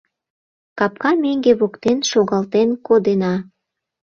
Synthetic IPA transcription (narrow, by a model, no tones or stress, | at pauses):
kɑp̚kɑmeŋɡeβokt̪enʃoɣɑlt̪enkod̪enɑ